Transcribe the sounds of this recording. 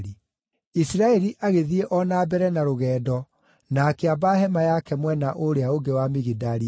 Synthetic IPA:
i | isɾaɛɾiʔaɣeðieʔɔnabɛɾɛnaɾoɣɛːdɔ | nakeabaɦɛmajakɛmwɛnaʔoɾeaoɡewamiɣidaɾi

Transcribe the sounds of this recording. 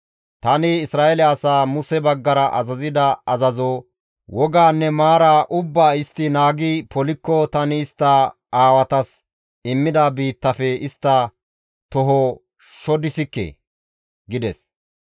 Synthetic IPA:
t̪ɐnɪɪsɾaːɛlɛɐsaːmʊsɛbɐɡːɐɾɐʔɐ̰zɐzɪd̪ɐɐzɐzoː | wɔɡaːnːɛmaːɾaːʔʊbːaːɪst̪ːɪnaːɡipɔlɪkːɔt̪ɐnɪːst̪ːɐ | aːwɐt̪ɐs | ɪmːɪd̪abiːt̪ːɐfɛɪst̪ːɐ | t̪ɔɦɔ | ʃɔd̪ɪsɪkːḛ | ɡɪd̪ɛs

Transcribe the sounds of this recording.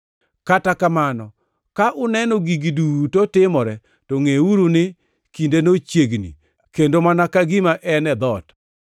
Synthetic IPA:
katakamanɔ | kaʔʊnɛnɔɡiɡidutotɪmɔɾɛ | toŋeuɾunɪ | kindenot͡ʃjeɡnḭ | kendomanakaɡimaʔɛnɛd̪ɔt

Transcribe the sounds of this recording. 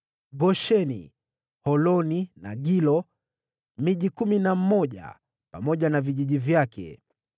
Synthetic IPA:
ɡɔʃɛnḭ | hɔlɔnina̰ɡilɔ | miʄikuminam̩mɔʄa̰ | pamɔʄanaviʄiʄivjakʰɛ̰

